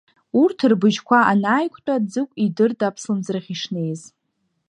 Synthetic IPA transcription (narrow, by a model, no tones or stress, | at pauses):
urtʰɨrbɨʒkʷʰaʔanaːjkʷʰʼtʷʼad͡zɨkʷʼidɨrtʰʼapʰslɨmzrχʲiʂne̞jz